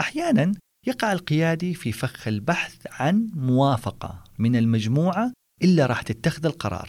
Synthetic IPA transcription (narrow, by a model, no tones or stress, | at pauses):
ʔaħjaːnan | jɑqɑʕɪlqɪjaːd̪ififaxɪlbaħθʕanmʊwaːfɑqɑ̰mɪnɪlmad͡ʒmuːʕa | ʔɪlːaɾˤɑːħt̪ɪt̪ːaxɪðalqɑɾˤɑ̰ːɾˤ